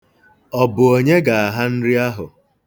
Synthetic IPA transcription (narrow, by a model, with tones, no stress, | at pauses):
ɔ˨bʊ˨o˨ɲe˦ɡa˨a˨ɦa˦n̩˦ɾi˦a˦ɦʊ˨